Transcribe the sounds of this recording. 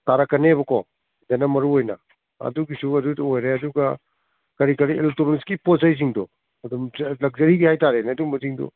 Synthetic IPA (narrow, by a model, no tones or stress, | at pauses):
taɾɐkːɐneβɐko | d͡ʒenɐmɐɾuojnɐ̰ | ɐ̰duɡisuɐdudojɾeɐduɡɐ | kɐɾikɐɾielek̚toɾoniskipozɐjs̬iŋdɔ | ɐdumlɐk̚zɐɾiɡihajtaɾenɐdumɐziŋdɔ̰